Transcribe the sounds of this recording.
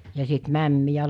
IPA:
jɑ sit mæmːijæ

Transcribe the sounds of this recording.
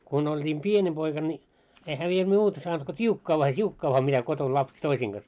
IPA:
kun oltʲiːm pienʲi poikɑ nʲi ehæ mie muːtɑ sɑːnt ko tʲiukːɑː ʋɑː tʲiukːɑː ʋɑː mitæ koton lɑpset toisiːŋ ɡ̊ɑs

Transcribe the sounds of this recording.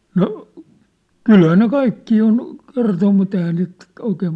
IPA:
no kylhæː ne kɑikːiː on kertom mut ehæː niːt oikeːm

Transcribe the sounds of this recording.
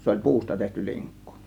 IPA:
se olʲ puːstɑ tehty liŋkːu̥

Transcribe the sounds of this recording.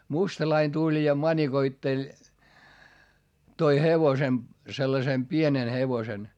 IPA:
mustɑlɑin tulʲ jɑ mɑnʲikoitːelʲ toi heʋosem selːɑsem pienen heʋosen

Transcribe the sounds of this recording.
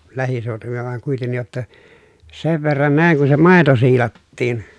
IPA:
læhiseˑotuʋilːɑ ʋɑŋ kuitenːij jotːɑ seʋ ʋerːɑn næˑiŋ kun se mɑˑeto siːlɑtːiːn

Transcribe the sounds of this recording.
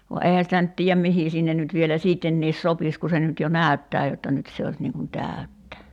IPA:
ʋɑ eihæ sitæ nyt tiːjæm mihiˑ sinːen nyt ʋielæ siːtːenːiːs sopis ku se nyt jo næˑy̞tːæː jotːɑ nyt se os niːŋ kun tæˑy̞tːæ

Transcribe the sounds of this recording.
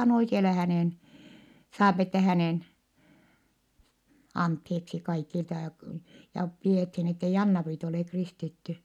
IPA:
on oikeɑlɑ hæneˑn sɑːpi etːɛ hæneˑn ɑntheːksi kɑikiltɑ jɑ k jɑ pieˑthin etːei ɑnːɑpriːt oleˑ kristitːy

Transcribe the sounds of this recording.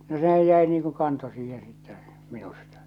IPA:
no sehæj jæi niːŋ ku kɑnto siːhẽː sitːɛ minustɑ̥

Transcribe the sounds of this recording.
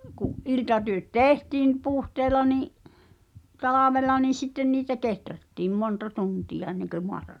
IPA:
kuʔ ʔiltɑtyø̆t teˑhtiːm puhteːlɑ niˑʔ tɑlɑʋelˑɑ niː sitːen niːtæ ketrætːiːm montɑ tuntijɑ enːeŋkø moɑtɑ

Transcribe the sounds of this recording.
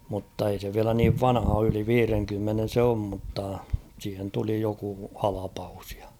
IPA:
mutːɑ ei se ʋiælæ niːʋ ʋɑnhɑ oː yli ʋiːreŋkymːenen̞ se om mutːɑ siːhen tuli joku hɑlɑpɑus j̊ɑ̥

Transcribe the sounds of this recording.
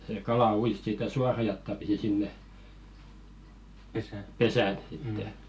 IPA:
seˑ kɑlɑ uis sitæ suɑrɑ jɑtːɑ pisi sinːe pesæˑ sitːe

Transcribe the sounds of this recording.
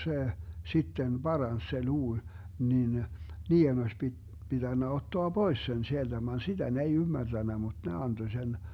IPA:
se sitːen b̥ɑrɑns se luː nin niːen osʲ pi pitænːæ otːoɑ b̥ois sen sield̥æ ʋɑn sid̥æ ne ei ymːærd̥ænːæ mut ne ɑnd̥o sen

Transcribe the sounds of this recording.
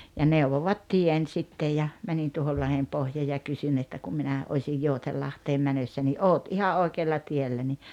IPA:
jɑ neuʋoʋɑt tien sitːej jɑ mænin tuohol lɑhempohjɑː jɑ kysyn etːæ kum minæ osʲij joutelːɑhteːm mænøsːæ ni ʔoːt ihɑ ʔoikeːlːɑ tielːæ ni

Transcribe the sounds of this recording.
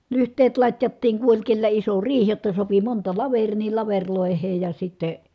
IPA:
lyhtˑeːt lɑtʲjɑtːiːŋ ku olʲ kelːæ iso riːh jotːɑ sopi montɑ lɑʋerˑiː ni lɑʋerʲloˑeheːj jɑ sitːeˑ

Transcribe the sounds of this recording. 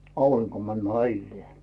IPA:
ɑuriŋko mænd̥ mɑilːĭeː

